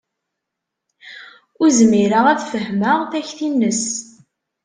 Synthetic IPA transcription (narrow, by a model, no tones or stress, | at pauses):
ʊɾzmiɾəʁæθfəhməʁθæçθinːəs